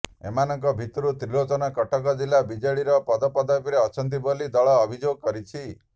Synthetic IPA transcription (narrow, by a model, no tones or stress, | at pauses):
ḛmanɔŋk̬ɔbʱit̪ɔɾut̪ɾilot͡ʃɔnɔkɔʈɔkɔd͡ʒilabid͡ʒɔɭiɾɔpɔd̪ɔpɔd̪ɔpiɾeɔt͡ʃʰɔnt̪̬ibolid̪ɔɭɔːbʱid͡ʒoɡɔkɔɾit͡ʃʰi